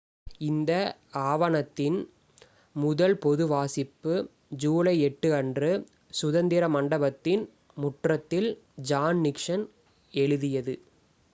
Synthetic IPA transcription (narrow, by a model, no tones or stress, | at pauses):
ɪnd̪ɐaːʋɐnɐt̪ːɪn | mʊðɐlpɔðɯʋaːsɪpːɯ | d͡ʒuːɭɐɪɛʈːɯɐndrɯ | sʊðɐnd̪ɪɾɐmɐɳɖɐbɐt̪ːɪn | mʊʈrɐt̪ːɪld͡ʒaːnnɪkʂɐn | ɛɻɯðɪjɐðɯ